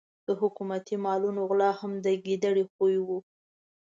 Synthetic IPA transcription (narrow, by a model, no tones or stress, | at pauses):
d̪̥əɦʊkumat̪imɑlunoɣlɑhamd̪əɡid̪aɽixojwu